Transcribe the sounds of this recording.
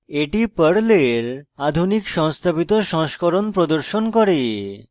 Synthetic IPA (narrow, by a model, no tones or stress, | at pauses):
eʈipəɽleɾad̪ʱunikʃɔŋst̪ʰabit̪oʃɔŋskoɾonpɾod̪oɾʃonkɔɾe